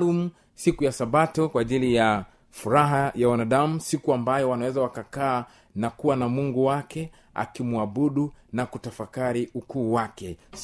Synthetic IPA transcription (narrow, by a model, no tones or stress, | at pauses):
lumu | sikujasaɓatɔkwaʄilija | fuɾaɦajawanaɗamusikuambajɔwanawɛzawakakaː | nakuwanamuŋɡuwakɛ | a̰kimuaɓuɗunakutafakaɾiukuːwakɛ